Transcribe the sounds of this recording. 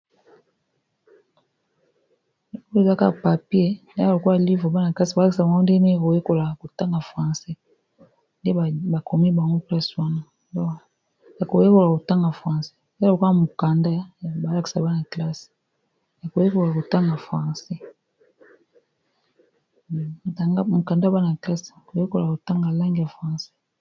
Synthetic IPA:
o˦e˨za˦ka˦˨pa˨pje˦˨ | o˨ko˦a˨li˦ve˨ba˦na˨kla˦si˨ba˨la˦ki˨sa˨ba˨ŋɡo˦nde˦e˦a˨ko˨je˦ko˨la˨ko˨ta˦ŋɡa˨fʁã˨sɛ˦ | nde˦˨ba˨ko˨mi˦ba˨ŋɡo˦plɛ˦swa˦na˨ | dɔ˦ | ja˨ko˨je˦ko˨la˨ko˨ta˦ŋɡa˨fʁã˨sɛ̥˦˨lo˨ka˨mo˨ka˨nda˦˨ba˨˦la˦ki̥˨sa˨ba˦na˨kla˦si̥˨ | ja˨ko˨je˦ko˨la˨ko˨ta˦ŋɡa˨fʁa˨sɛ˦˨ | ta˨ŋɡa˦mo˨ka˨nda˦ba˦na˨kla˦si˨ko˨je˦ko˨la˨ko˨ta˦ŋɡa˨la˦ŋɡi˨ja˨fʁã˨sɛ̥˦

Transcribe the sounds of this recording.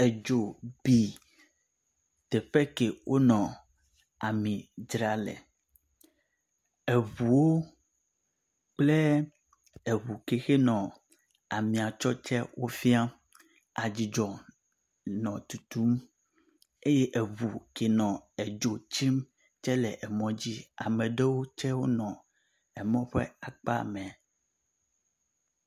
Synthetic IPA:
ɛ˨d͡ʒo˨bi˨ | t̪ɛ˨ɸɛ˦ke˨wʔo˦nɔ̃˨ | a˨mĩ˨d͡ʒɾa˦lɛ̰˨ | e˨vu˨wo˦ | k͡ple˦ | e˨βu˨ke˨xe˦nɔ̃˨ | a˨mĩ˨a˨t͡ʃɔ˦t͡ʃɛ˦wʔo˦fi˦a˦ | a˨d͡ʑi˨d͡ʒɔ˨ | nɔ̃˨t̪u˨t̪u˦m | e˦jɛ˦ʔe˨vu˨ke˨nɔ̃˨e˨d͡ʒo˨t͡ɕi˦m | t͡ʃɛ˦lɛ˨ʔɛ˨mɔ̃˨d͡ʑi˦a̰˨mɛ̃˨ɖe˦wo˦t͡ʃɛ˦wo˦nɔ̃˨ | ɛ˨mɔ̃˦ɸɛ̰˦a˨k͡pa̰˦mɛ̃˨

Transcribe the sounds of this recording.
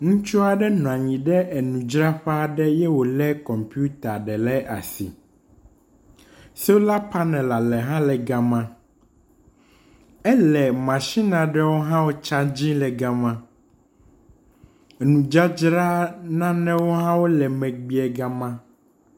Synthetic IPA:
ŋũ˦t͡ʃu˦a˨ɖɛ˦nɔ̃˨ã˨ɲĩ˨ɖɛ˦ʔɛ˨nũ˨d͡ʒɾa˦ɸɛ˦˨ɖɛ˦jɛ˦wo˨lɛ˦kɔ˨mpi˦u˦t̪a˨ɖɛ˨lɛ˦ʔa̰˨sḭ˨ | sɛ˦wo˦la˦pa˦nɛ̃˨la˨lɛ˨ɦã˦lɛ˨ɡa˨mã˦ | ɛ˦lɛ˨mã˨ʃi˦nã˨ɖɛ˦wo˦ɦã˦wo˦t͡ʃa˦d͡ʑĩ˦lɛ˨ɡa˦mã˦ | ɛ˨nũ˨d͡ʒa˦d͡ʒɾa˦nã˦nɛ̃˦wo˦ɦã˦wo˦lɛ˨mɛ̃˨ɡ͡bi˦ɛ˨ɡa˦mã˦

